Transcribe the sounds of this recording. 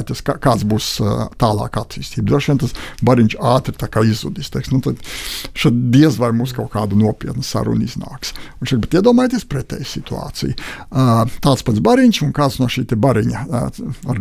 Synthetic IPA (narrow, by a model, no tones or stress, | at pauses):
t̪iɛskakaːt̪sbuːst̪aːlˠɑ̰ːkat̪ːiːst̪iːbd̪ɾuɔʃʋiɛnt̪asbaɾiɲʲt͡ʃaːt̪ɾɪt̪aːkaːizṵd̪ist̪ɛksnut̪ad̪ʃad̪iɛzʋaɾmuːskawkaːd̪unuɔpʲiɛt̪nsa̰ɾṵnizna̰ːks | iʃsakbet̪iɛd̪uɔmaːjt̪ʲiespɾɛt̪ʲɛ̰ːjsit̪ua̰ːt̪sḭj | t̪aːt̪spat̪sbaɾiɲʲt͡ʃunkaːt̪snuɔʃiːt̪ɛbaɾiɲaaɾ